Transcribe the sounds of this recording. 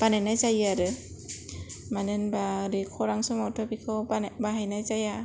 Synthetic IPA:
b̥anajnajzajaɾɯ | manɯnbaɾikʰɔɾaŋsɔmawtʰɔbikʰɯabaɦajnajzaja

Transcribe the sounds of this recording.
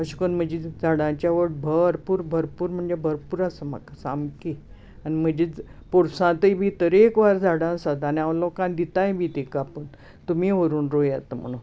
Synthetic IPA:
əɕu̥kənm̤əd͡ʑid͡zʱaɽãt͡ɕjaʋəɽbʱəɾpuːɾbʱəɾpuːɾm̤əɳd͡zebʱəɾpuːɾasəma̰kasamki | anim̤əd͡ʑipoɽsãt̪əjbʱit̪əɾekʋaɾd͡zʱaɽãsad̪aniaʋlɔkãnd̪it̪ajbʱit̪ikapən | t̪umiʋəɾuːnɾojat̪əm̤əɽ̃ũ

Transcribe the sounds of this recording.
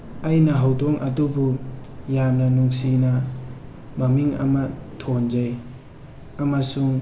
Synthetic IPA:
ajnɐɦawdɔŋʔɐdubujamnɐnuŋsinɐ | mɐmiŋa̰matʰond͡ʒaj | amasuŋ

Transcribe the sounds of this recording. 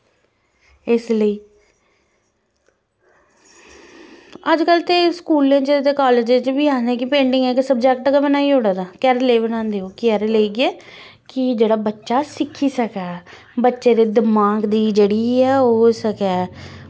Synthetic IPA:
ɪsləiː | əd͡ʒkəlt̪eːskuːlẽːt͡ʃət̪eːkaːleːd͡ʒ̃t͡ʃbiːãːd̪ẽːkɪpẽːɳɖɪŋɡɛːkɪsəb̚d͡ʒɛk̚ʈkabənaːiːoːɽaːd̪aːkɛːɾleːbənãːnd̪eːoːkɛːɾeleiɡɪɛː | kɪd͡ʒeːɽaːbətːʃaːsɪkʰːiːsəkɛː | bətːʃeːd̪eːd̪ɪmaːɡd̪iːd͡ʒeːɽiːɛːoːsəkɛː

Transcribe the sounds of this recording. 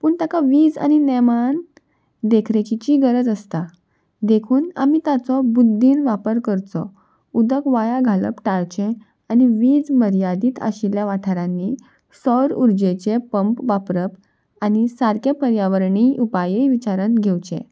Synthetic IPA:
puːɳt̪akaʋiːd͡za̰ñineman | d̪ekʰɾet͡ɕit͡ɕiːɡəɾəd͡zəst̪a | d̪ekʰuːna̰miːt̪at͡sɔbud̪ʱːiːnʋapəɾkəɾt͡sɔ̰ | ud̪əkʋajaɡʱalə̰pʈaɾt͡ɕẽ | añiʋiːd͡zməɾjad̪iːt̪ʰə̰ɕiljaʋaʈʰəɾãnːiː | səwɾuɾd͡ʑet͡ɕepəmpʋapɾəp | añisaɾkepəɾjaʋəɾɳiːʔupajeʋit͡ɕaɾənɡʱewt͡ɕḛ̃

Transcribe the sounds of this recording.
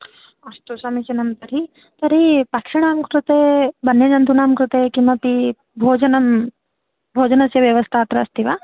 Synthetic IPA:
ɐst̪usɐmisinɐmt̪ɐɾi | t̪ɐɾipakʂiɽ̃aːmkɾut̪ebɐnjɐd͡ʒɐnt̪unaːmkɾut̪ekimɐpi | bʱoːd͡ʒɐnɐm | bʱoːd͡ʒɐnɐsjɐʋjɐʋɐst̪ʰaːt̪ɾɐɐst̪iʋaː

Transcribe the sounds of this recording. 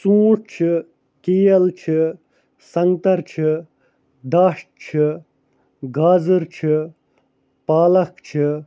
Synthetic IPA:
t͡sũːɽt͡ʃʰi | kijɐlt͡ʃʰi | sɐŋɡt̪ɐɾt͡ʃʰi | d̪aːʂʈ̚t͡ʃʰi | ɡaːzɨɾt͡ʃʰi | paːlɐkt͡ʃʰi

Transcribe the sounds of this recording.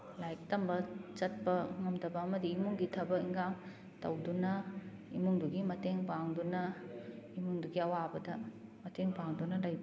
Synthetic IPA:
lajk̚tɐmbɐt͡ʃɐt̚pɐŋɐmdɐbɐːmɐdiːmuŋɡitʰɐbɐkiŋɡaŋ | tɐwdunɐ | imuŋduɡimɐteŋpaŋdunɐ | imuŋduɡiɐwabɐdɐmɐtʰeŋpaŋdunɐlɐjbɐ

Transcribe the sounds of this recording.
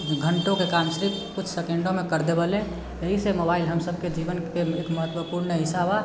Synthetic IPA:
ɡʱəɳʈokekamsɾikkut͡ʃʰsekẽɳɖomekəɾd̪ebəle | jəɦisemobailɦəmsəb̚ʱked͡ʒibənkeekməɦət̪wəpuɾnəɦisaba

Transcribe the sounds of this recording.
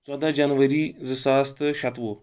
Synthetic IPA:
t͡sɔd̪ad͡ʒanʋəɾiːzɨsaːst̪ʃɐt̪ʋo

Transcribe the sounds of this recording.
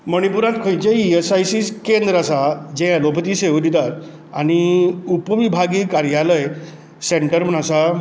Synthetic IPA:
məɽ̃ipuɾãt̪kʰojt͡ɕeiesajsiskend̪ɾasad͡ʑɛ̃əlopət̪iːseʋd̪it̪at̪ | añiupʋibʱaɡiːkaɾjaləj | seɳʈəɾmənasa

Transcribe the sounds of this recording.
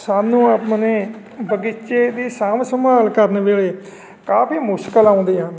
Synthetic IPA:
saːnũːapməneː | bəɡɪt͡ʃeːd̪iːsaːmsəmaːlkəɾnʋeːɭeː | kaːpiːmʊʃkəlaːʊ̃nd̪iːãː

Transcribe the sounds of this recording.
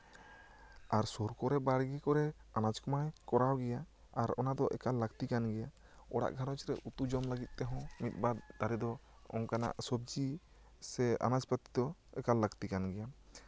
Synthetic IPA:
aɾsoɾkɔɾɛbaɽɡikɔɾɛanad͡ʒkɔmajkɔɾawɡɛja | aɾɔnad̪ɔʔɛ̰kalːəɡt̪ikanɡɛja | ɔɽa̰ʔɡʱaɾɔt͡ʃɾɛʔut̪ud͡ʒɔmləɡit̪̚ˀt̪ɛɦɔ̃mit̪̚bad̪ːaɾɛd̪ɔ | ɔ̰ŋkana̰ʔsɔb̚d͡ʒi | sɛa̰nad͡ʒpət̪id̪ɔɛkalːəɡt̪ikanɡɛja

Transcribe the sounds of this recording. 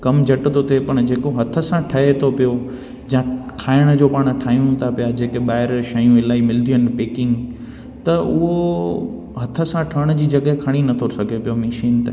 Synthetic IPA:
kɐmd͡ʑʱɐʈt̪ʰot̪ʰepɐɽ̃d͡ʑeːkoɦɐt̪ʰə̆sãʈʰɐɦet̪ʰopijo | d͡ʑɐ̃kʰaːɪɽ̃ə̆d͡ʑoːpɐɽ̃̆ʈʰaːjũt̪ʰapijad͡ʑeːkeɓaːɦɪɾʃɐjũɪlaːimɪld̪ʱijən̆peːkɪ̃ŋɡ | t̪ɐʊɦo | ɦɐt̪ʰə̆sãʈʰɐɽ̃d͡ʑiːd͡ʑɐɠɦekʰɐɽ̃inɐt̪ʰosɐɡʱepijomeʃiːnt̪e

